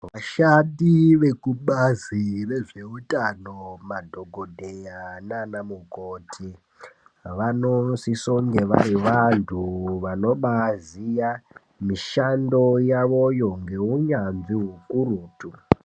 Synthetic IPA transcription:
ʋaʃaɗiʋe̞kuɓazire̞ʐe̞utʼanomadʱo̞ɡʱodʱejananamuɡʱotʰi | ʋanosisoŋɡe̞ʋa̰ɾiʋantʰuʋano̞ɓazija | miʃando̞jaʋo̞jo̞ŋɡe̞uɲanziɦukuɾuːtu

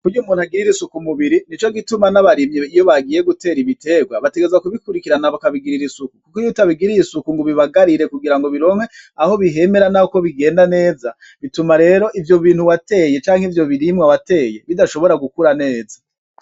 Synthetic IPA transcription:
kujumuːn̤̥uhaɡiɾiɾisukumuβiɾinit͡ʃo̞ɡitumanaβaɾimɲiijo̞βaɡije̞ɡute̞ːɾiβite̞ɡwaβate̞ɡezakuβikuɾikiɾanaβakaβiɡiɾiɾisukukukojutaβiɡiɾijisukuŋɡoβiβaɡaɾiɾe̞kuɡiɾaŋɡo̞βiɾo̞mhe̞aho̞βiɦe̞me̞ɾanahoko̞βiɡe̞ːndane̞ːza | βitumaɾe̞ːɾo̞ʔivjo̞βiːn̥huwate̞je̞t͡ʃaːŋhivjo̞βiɾimŋawate̞ːje̞βidaʃo̞βo̞ɾaɡukuɾane̞ːza

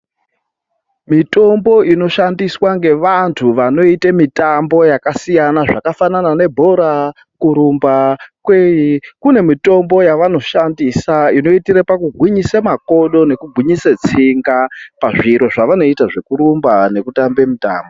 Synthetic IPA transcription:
mito̞mbo̞ʔino̞ʃandiswaŋɡe̞ʋantʰuʋano̞itemitambo̞jakasijanaʐakafananane̞bʱo̞ɾa | kuɾumbakwejikune̞mito̞mbo̞jaʋano̞ʃandisaino̞itiɾepakuɡʱwiɲisamako̞ɗo̞ne̞kuɡʱwiɲiset͡siŋɡapaʐiɾo̞ʐaʋano̞itaʐe̞kuɾumbane̞kutambe̞muta̰ːmbo

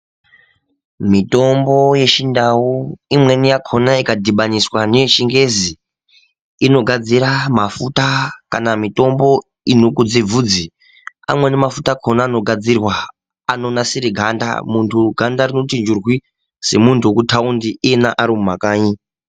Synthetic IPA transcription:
mito̞mbo̞je̞ʃindawuimwe̞nijakʰo̞naikadʱiɓaɲiswaneʃiŋɡe̞zi | ino̞ɡʱad͡ziɾamafutakanamito̞mbo̞ | inokud͡zib͡vuːd͡zi | a̰mwe̞nemafutakʰonaːno̞ɡʱad͡zirwaː | no̞nasiɾiɡʱanda̰muntʰuɡʱandarino̞tind͡ʒurwi | se̞muntʰuokutʰaundiʔienaʔaɾimumakaːɲi

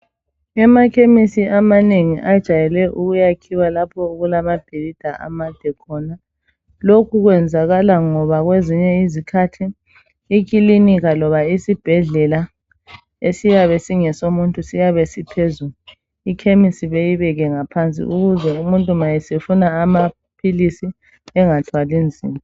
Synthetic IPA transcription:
ɛmakʰemisiʔamaneŋiʔad̥ʒ̥ʱajɛlɛʔuɣujakʰiwalapʰɔuɣulamab̥ʱilid̥ʱaʔa̰mad̥ʱɛkʰɔna | lokʰuɣwɛnd͡zʱaɣalaŋɔβaɣweziɲɛizikʰatʰiː | k̬ʼiliniɣalɔβaisib̥ʱɛɮɛla | esijaβɛsiŋɛsomuntʼusijaβesipʰezulu | ikʰemisiβejiβɛɣɛŋapʰant͡sʼḭʔuɣuzɛumuntʼumajɛsefunaːma | pʰilisi | ɛŋatʰwalind͡zʱḭːma

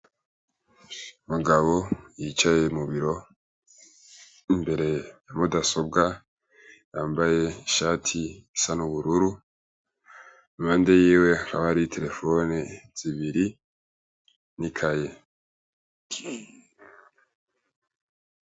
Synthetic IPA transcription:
umuɡaβo̞jit͡ʃaje̞muβiɾo̞ | imbe̞ɾe̞jamudaso̞bɡa | jaːmbaje̞ʃaːtʰiisanuβuɾuɾu | imaːndejiːwe̞ka̰βaɾitʰe̞ɾe̞foniz̥iβiɾi | nikʰaje

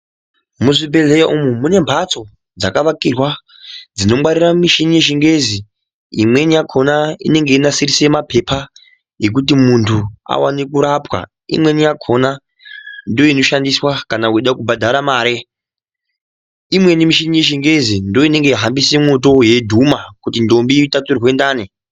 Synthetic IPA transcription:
muʐibe̞lejaʔumumune̞mbʰʱat͡so̞ | d͡za̰kaʋakirwa | d͡zino̞ɓaɾiramiʃinije̞ʃ̬iŋɡe̞zi | imwe̞nijakʰo̞naḭne̞ŋɡe̞inasirisemapʰe̞pʰa | je̞k̬ut̬imuntʰua̰wa̰nikuɾapwa̰ | ḭmwe̞nijakʰo̞na | ndo̞ino̞ʃandiswakanauiɗakubʱadʱaɾamaːɾe | imwe̞nimiʃinije̞ʃ̬iŋɡe̞zindo̞ine̞ŋɡe̞iɦambise̞mot̬o̞je̞dʱumakutindo̞mbitat͡sirwe̞ndaːni

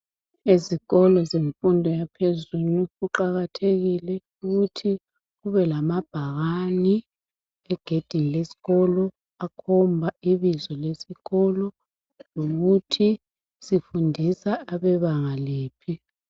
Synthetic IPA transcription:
eziɣɔlɔzeɱfundʱɔjapʰezuluɣuǃaɣatʰeɣilɛ | uɣutʰi | ɣuβɛlamab̥ʱaɣani | ɛɡ̥ʱed̥ʱinilesi̥ɣɔlɔ | akʰɔmbʱaiβizɔlesiɣɔlɔ | loɣutʰi | sifundʱisaːβɛβaŋaleːpʰi

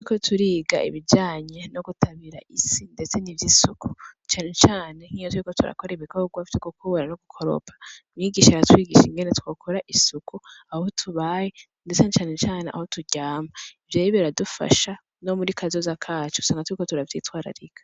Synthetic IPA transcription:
ikotʰuɾiːɡa̰ḭβid͡ʒaːɲe̞noɡutʰaβiɾaʔisinde̞t͡se̞nivjisuku̥t͡ʃaːne̞t͡ʃaːne̞ŋijot̬uɾiko̞tuɾa̰koɾeβiko̞ɡwaftikokuβoɾanoɡukʰo̞ɾo̰pʰḁmɲiːɡiʃaaɾatwiːɡiːʃiŋɡe̞ne̞twokʰoɾaʔisukuahotʰuβaje | ndet͡senet͡ʃaːne̞t͡ʃaːneʔa̰hotuɟaːmaivjeɾiβeɾadufa̰ʃa | no̞muɾikʰazozakʰaːt͡ʃo̥u̥saːŋɡatuɾikotuɾaviːtwaːɾa̰ɾiɡḁ

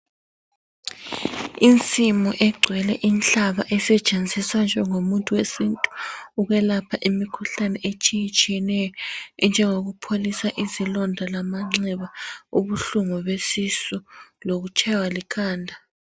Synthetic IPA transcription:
int͡sʼimɔʔɛɡ͡ǀʱwɛlɛʔint͡ɬaβa̰ʔɛsɛt͡ʃʼend͡zʱisand͡ʒɔŋomuntʼuwesintʼu̥uɣɛlapʰaʔimikʰuɬanɛʔet͡ʃʼijit͡ʃʼiɛnɛjɔnd͡ʒʱɛŋoɣupʰolisaʔizilɔndʱalamaŋ͡ǀɛβauβuɬuŋuβesisuloɣut͡ʃʼʰɛwalikʰaːndʱa

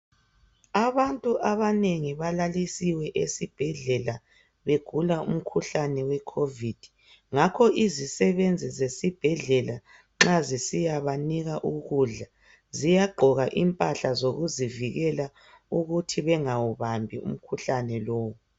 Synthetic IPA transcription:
aβantʼuʔaβaneŋiβalalisiwɛʔesib̥ʱɛɮɛla | βeɡ̥ʱulaṵm̩kʰuɬanɛwɛkʰovid̥ʱi | ŋakʰɔizisɛβend͡zʱizesib̥ʱɛɮɛla | ŋ͡ǁazisijaβaniɣaʔuɣuɮa | zijaɡ͡ǃʱɔɣaʔimpʼaɬazoɣuziviɣɛla | uɣutʰiβɛŋawuβambʱiṵm̩kʰuɬanɛlɔːwu

